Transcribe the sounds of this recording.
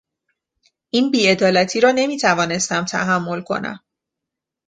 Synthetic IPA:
ʔiːnbiːe̞d̪ɒːlæt̪ʰiːɾɒːne̞miːt̪ʰævɒːne̞st̪æmt̪ʰæ̰ɦæmːo̞lkʰo̞̰næ̰m

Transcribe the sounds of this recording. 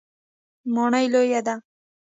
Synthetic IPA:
moɳajlojad̪a

